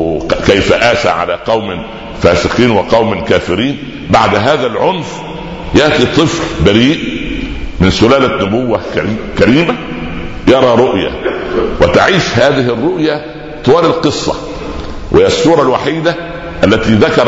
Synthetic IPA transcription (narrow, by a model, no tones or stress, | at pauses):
kæjfæʔæːʃæ̰ːʕa̰læːqɑwmɪ | fæːsɪqiːnwɑqɑwmlkæːfɪɾiːn | baʕd̪ɦæːðælʕʊnf | jaʔt̪it̪ˤːɨflbæɾiːʔ | mɪnsʊlæːlænʊbʊwːækæɾiːmæ | jɑɾˤɑːɾˤʊʔjæ̰wɪt̪aʕiːʃhæːðɪɦɪrːʊʔjæ | t̪ˤowæːlɪlqɨsˤːɑ̰ | wʔhɪːæsːuːɾˤɑlwaħiːd̪æ | ʔælːæt̪iːðakɑɾˤ